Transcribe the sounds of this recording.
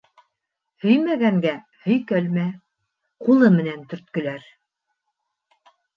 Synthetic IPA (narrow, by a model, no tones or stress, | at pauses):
hɵ̆jmæɡæŋɡæ | hɵ̆jkælmæ | qulˠɤmɘ̆nænt̪ɵ̆ɾt̪̚kɵ̆læɾ